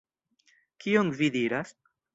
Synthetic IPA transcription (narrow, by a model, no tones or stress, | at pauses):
kʰioŋvid̪iɾas